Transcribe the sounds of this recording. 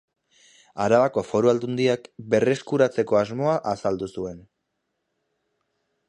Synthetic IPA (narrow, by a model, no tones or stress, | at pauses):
aɾaβako̞fo̞ɾuald̪und̪iakbe̞re̞skuɾat͡se̞ko̞azmo̞aʔasald̪usue̞n